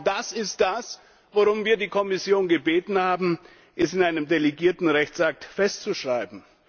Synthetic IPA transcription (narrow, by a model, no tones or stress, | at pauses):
d̥asɪstd̥as | voʁʊmviːɐdiːkʰɔmɪsjoːnɡəbeːtn̩haːbm̩ | ʔɛsɪnʔaɪnəmdeleɡiːɐtn̩ʁɛçt͡sak̚tfɛst͡suʃʁ̥aɪbm̩